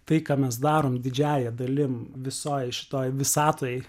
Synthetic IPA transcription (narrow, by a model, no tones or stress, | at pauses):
t̪ɐɪkɑːmʲɛs̬d̪ɑːɾoːmd̪ʲɪd͡ʒʲæːjɛd̪ɐlʲɪmʋʲɪsoːjʃʲɪ̥t̪oːjʋʲɪsɑːt̪oːjɛ